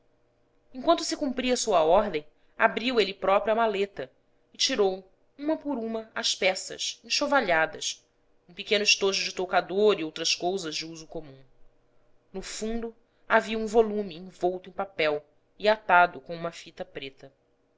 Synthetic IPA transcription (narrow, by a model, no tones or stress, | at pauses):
ẽŋkwɐ̃nt̪ʊsɪkũmpɾiɐsuɐɔɦd̪ẽj̃ | a̰bɾiwelɪpɾɔpɾuamalet̪ɐ | ɪt͡ʃiɾow | ũmɐpʊɾũmɐaspɛsɐ̰sẽʃovaʎad̪ɐ̰s | ũpikẽnʊɪʃt̪oʒʊd͡ʒɪt̪okad̪oɾiowt̪ɾɐskowzɐzd͡ʒɪuzʊkomũ | nʊfũnd̪ʊ | aviɐũvolũmɪẽj̃vowt̪ʊẽpapɛw | ɪat̪ad̪ʊkõũmɐfit̪ɐpɾet̪ɐ